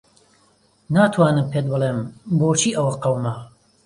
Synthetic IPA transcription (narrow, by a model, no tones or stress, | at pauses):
naːt̪ʰwaːnɨmpʰed̪̚bɨlˠeːmboːt͡ʃʰiːʔɐwɐqɐwma